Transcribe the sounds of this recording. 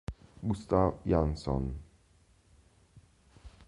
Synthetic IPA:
ɡust̪afjansɔ̰n

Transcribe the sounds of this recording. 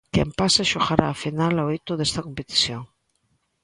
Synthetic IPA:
kḛmpaseʃoɣaɾaːfinalaejt̪oðest̪ɐkompet̪i̥θjoŋ

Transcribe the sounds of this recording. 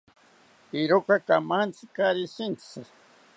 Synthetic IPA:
iɾokakamant͡sɨkaɾisint͡sɨ

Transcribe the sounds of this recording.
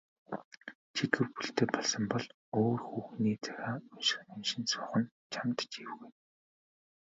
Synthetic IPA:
t͡ɕʰit̪ɘ̆wpuɬt̪eːpɔɮsɞ̆mpɔɮ | oːrxuːxniːt͡sʰæ̥xʲaːʊʃɪ̆xnemʃɪ̆nsʊːχə̆n | t͡ɕʰamt̪ət͡ɕiwɣuj

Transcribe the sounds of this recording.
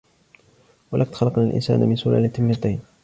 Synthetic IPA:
walʔakt̪xɑlɑqnaːlʔɪ̰nsa̰ːnamɪnsʊlaːlɪt̪ɪmːat̪ajn

